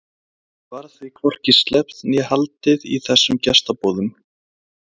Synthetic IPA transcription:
vaɾθvɪkʰvɔr̥cɪst̪lɛpt̪njɛhalt̪ɪðiθɛsːʏmcɛst̪apɔːðʏm

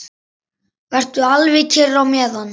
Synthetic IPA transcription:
vɛr̥t̪ʏalvɪcʰɪrːawmjɛːðan

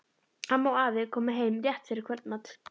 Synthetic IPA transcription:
hanmaːwaːvɪðkʰɔːmaɦeːjmɾjɛht̪fɪɾɪɾkʰvœlt̪mat̪

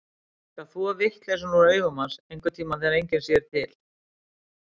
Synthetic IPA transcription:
kaθuavɪht̪lɛsɔnuɾœːɥɣɔmansejŋkʏt̪ʰiːmaθɛːɾejɲcɪnsjɛɾ̥t̪ʰɪl

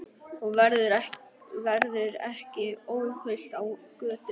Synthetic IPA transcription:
ɔɣvɛɾðʏɾɛvɛɾðʏɾɛ̰hcɪoːwhœjst̪awkœːt̪ʏ

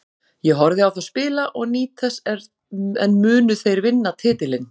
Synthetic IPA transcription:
jɛɣɦɔɾðɪawθaðspɪːlaʔɔɣniːt̪ʰɛsɛɾ | ɛnmʏːnʏθejɾvɪnːat̪ʰɪːt̪ɪlɪn

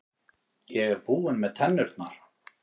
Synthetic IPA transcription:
jɛɣɛɾbuːɪnmɛðt̪ʰɛnːʏɾt̪naɾ̥

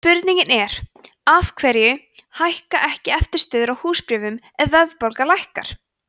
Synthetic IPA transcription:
pʏɾt̪niɲcɪnɛɾ̥ | afkʰvɛɾjʏ | hajhkaʔɛhcɪɛft̪ɪɾ̥st̪œːðʏɾawhuːspɾɪːvʏm | ɛðvœððpolkalajhka̰ɾ̥

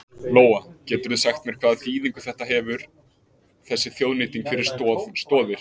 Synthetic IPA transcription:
loːwacɛːt̪ʏɾθʏsaxt̪mɛɾ̥kʰvaːðaθiːðiŋkʏ̥θɛht̪aɦɛvʏɾ̥ | θɛsːɪθjoːwðniːt̪iŋkfɪɾɪɾ̥stst̪ɔːðɪɾ̥

